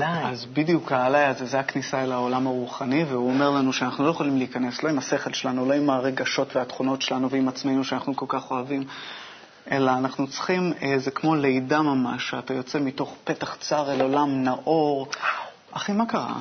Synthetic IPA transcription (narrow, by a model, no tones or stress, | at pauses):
lajazbidjukaalajazezeaknisaelao̞lamaʁuχaniveuome̞ʁlanuʃeanaχnuloje̞χolimliːkane̞slo̞imase̞χe̞lʃelanulo̞imaʁe̞ɡaʃo̞tveatχuno̞tʃe̞lanuveimat͡smejnuʃeanaχnuko̞lkaχo̞avim | ʔe̞laːnaχnut͡sχimezekmo̞le̞jdamamaʃeatajo̞t͡se̞mito̞χpe̞taχt͡saʁelolamnaʔo̞ʁ | ʔaχimakaʁa̰